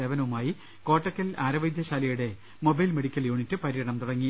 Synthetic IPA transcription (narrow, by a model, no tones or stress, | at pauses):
eʋɐnɐʋumaːji | ko̞ːʈːɐkːɐlaːɾɐʋɐjd̪jɐɕaːlɐjuɽe̞ | mo̞bɐjlme̞ɽikʲːɐljuːɳitːɨpɐɾiɻɐɳɐmt̪uɽɐŋːi